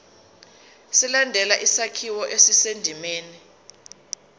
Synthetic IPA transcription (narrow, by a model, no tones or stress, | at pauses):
silandʱɛlaʔisakʰiwɔʔesisendʱimeːni